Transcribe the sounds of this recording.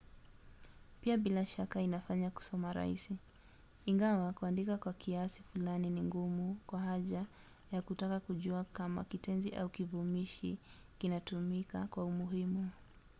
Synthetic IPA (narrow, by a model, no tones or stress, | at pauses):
piaɓilaʃakainafaɲaku̥sɔmaɾa̰ḭsiː | ŋɡawakuandikakwakʰiasifulaniniŋɡumukwahaʄa | jakutakakuʄuakama̰kitɛnziʔa̰ukivumiʃḭ | kinatumikakwaumuɦimu